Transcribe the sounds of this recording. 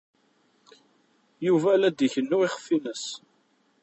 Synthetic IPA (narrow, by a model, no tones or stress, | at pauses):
juvælæd̪içənːuiχə̥fːinəs